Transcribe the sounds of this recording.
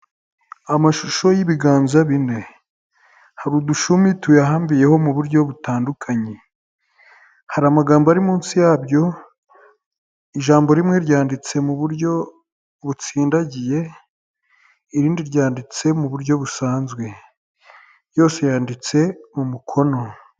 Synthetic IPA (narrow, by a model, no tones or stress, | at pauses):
amaʃuʃo̞jiβiɡaːnzaβine̞ | haɾuduʃumituweaɦaːmbije̞ho̞muβuɾɟo̞βutaːndukʰaɲe | haɾamaɡaːmboaɾimuːnsijaːbjo̞ | iʒaːmbo̞ɾimŋe̞ɾɟaːndit͡se̞muβuɾɟo̞ | βut͡siːndaɟije̞ | iɾiːndiɾɟaːndit͡se̞muβuɾɟo̞βusaːnzɡwe̞ | jo̞ːse̞jaːndit͡se̞mumukʰo̞no̞